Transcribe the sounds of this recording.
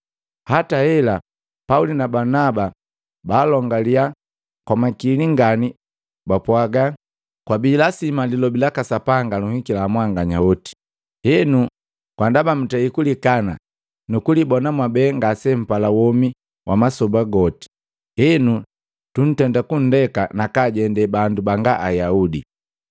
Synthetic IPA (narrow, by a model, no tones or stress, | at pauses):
hatahɛla | paulinabanaba | baːlɔŋɡalia | kwamakiliŋɡani | bapwaɡa | kwabiːlasimalilɔbilakasapaŋɡaluhikilaːmwaŋɡaɲaɔti̥ | hɛnu | kwandabam̩tɛikulikana | nukulibɔnamwabɛːŋɡasɛm̩palawɔmi | wʔamasɔbaɡɔti̥ | hɛnu | tun̩tɛndakun̩dɛkanakaːɟɛndɛbandubaŋɡaʔajaudi